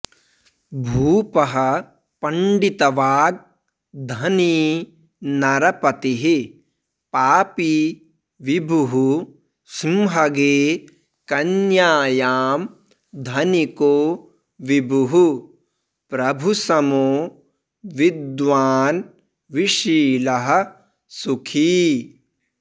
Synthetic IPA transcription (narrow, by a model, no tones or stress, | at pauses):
bʱuːpɐɦɐ | pɐɳɖit̪ɐʋaːɡ̚ | d̪ʱɐni | nɐɾɐpɐt̪iɦi | paːpi | ʋibʱuɦu | simɦɐɡeː | kɐnjaːjaːm | d̪ʱɐnikoː | ʋibʱuɦu | pɾɐbʱusɐmoː | ʋid̪ʋaːn | ʋiʃiːlɐɦɐ̆ | sukʰiː